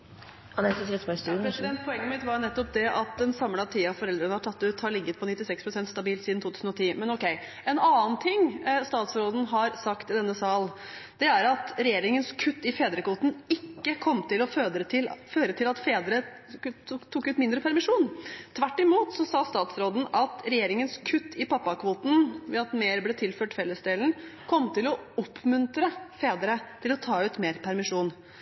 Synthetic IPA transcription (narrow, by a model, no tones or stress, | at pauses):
ɑnɛsəsɛpɛspʰɾɛsɪd̪ɛnt̪̚pʰɔɛŋːəmɪt̪ʋɑɾnɛt̪ːɔp̚d̪ɛʔɑt̪̚d̪ɛnsɑmːɽɑt̪ʰiːɑfɔɾɛld̪ɾənəhɑʈʰɑt̪ːʉt̪hɑɾɭɪɡːət̪̚pʰɔnɪt̪ːɪsɛkspʰɾʊsɛnt̪st̪ɑbiːlt̪sid̪n̩t̪ʰuːt̪ʰʉːsn̩ɔt̪ʰiːmɛnɔkɛɪ | ɛnɑːnt̪ʰɪŋːst̪ɑːt̪sɾoːd̪n̩ɦɑɾsɑkt̪ɪd̪ɛnːəsɑːl | d̪̥ɛæɾɑt̪ɾɛjeːɾɪŋənskʰʉt̪ːɪfeːd̪ɾəkʰʋuːt̪n̩ɪkːəkʰɔmːt̪ɪlɔøət̪ɪlføːɾət̪ʰɪlɑt̪feːd̪əɾə | t̪ʰːʊkːʉːt̪mɪnd̪ɾəpʰæɾmɪʂuːnt̪ʰʋæʈːɪmuːt̪sɔsɑːst̪ɑːt̪sɾoːd̪n̩ɑt̪ɾɛjeːɾɪŋənskʰʉt̪ʰːɪpʰɑpːɑkʰʋuːt̪n̩ʋɛɑt̪meːɾblɛːt̪ʰɪlføːʈfɛlːəsd̪eːln̩kʰɔmt̪ʰɪlɔʊpʰːmʉnt̪ɾəfeːd̪əɾət̪ʰɪlɔt̪ʰɑːʉːt̪meːɾpʰæɾmɪʂuːn